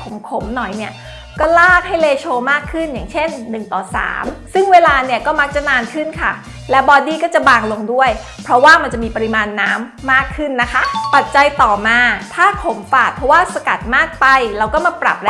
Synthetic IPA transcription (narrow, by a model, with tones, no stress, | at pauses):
o˩˦mkʰo˩˦mnɔ˨˩jni˥˩ɐ | kɔː˥˩laː˥˩k̚ha˥˩jleː˧t͡ɕʰoː˧maː˥˩kʰːɯ˥˩njaː˨˩ŋt͡ɕʰe˥˩nːɯ˨˩ŋt̪ɔː˨˩sa̰ː˩˦msɯ˥˩ŋweː˧laː˧ni˥˩ɐkɔː˥˩ma˦˥k̚t͡ɕa˨˩naː˧nkʰɯ˥˩nkʰa˥˩ | lɛ˦˥wbɔː˧diː˥˩kɔː˥˩t͡ɕa˨˩baː˧ŋlo˧ŋdu˥˩əj | pʰɾɔ˦˥waː˥˩ma˧nt͡ɕa˨˩miː˧pa˧ɾi˧maː˧nːaː˦˥mːaː˥˩kʰːɯ˥˩nːa˦˥kʰa˦˥˩pa˨˩t̪̚t͡ɕa˧jt̪ɔː˨˩maː˧t̪ʰaː˥˩kʰo˩˦mfaː˨˩t̪̚pʰɾɔ˧˦˥waː˥˩sa˧ka˨˩t̪̚maː˥˩k̚pa˧jlɛː˧˥wkɔː˥˩ma˧pɾa̰˨˩p̚d